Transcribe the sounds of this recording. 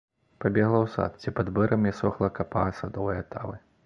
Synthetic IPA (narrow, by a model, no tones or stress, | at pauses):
pabʲɛɣlˠɐwsa̰t̪t͡sʲipad̪bɛɾʔɐmjɛsɔxlˠɐkapasad̪ɔvɐjɐt̪ʰavɨ